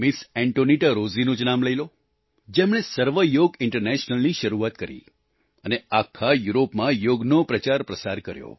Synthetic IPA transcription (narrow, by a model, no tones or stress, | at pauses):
mɪsɛɳʈoniʈaɾozinod͡ʒnamləilo | d͡ʒemɽ̃esəɾʋəjoɡɪɳʈəɾnɛʃnəlniʃəɾuat̪kəɾḭ | əneakʰajuɾopmãjoɡnopɾət͡ʃaɾpɾəsaɾkəɾjo̰